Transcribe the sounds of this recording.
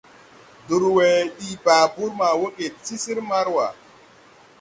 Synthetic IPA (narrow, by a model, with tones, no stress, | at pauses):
du˨ɾwɛ˨ɗi˨ba˨bu˦ɾma˨wo˦ke˨ti˦si˦ɾma˦ɾwa˨